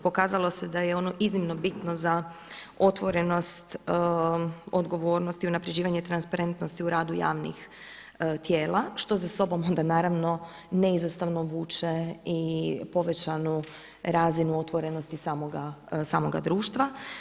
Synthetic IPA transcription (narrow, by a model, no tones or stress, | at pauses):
po̞kaːzalˠo̞sed̪ajeo̞no̞ʔiznimno̞bit̪noza | o̞t̪ʋo̞ɾe̞no̞st̪ | od̪ɡo̞ʋo̞ːɾnost̪iunapɾe̞d͡ʑiːʋaɲet̪ɾanspaɾe̞nt̪no̞st̪iuɾaːd̪uja̰ːʋnḭx | t̪jeːlaʃt̪o̞zaso̞bomo̞nd̪anaːɾaʋno̞ | neizost̪aʋno̞ʋuːt͡ʃeipo̞ʋe̞t͡ɕanu | ɾaːzinuo̞t̪ʋo̞ɾe̞no̞st̪isaːmoɡasaːmo̞ɡa̰d̪ɾuːʃt̪ʋa